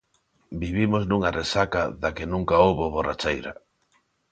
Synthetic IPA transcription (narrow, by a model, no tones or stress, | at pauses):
biβimoznuŋaresakaðakenũŋkaowβoβorat͡ʃejɾa̰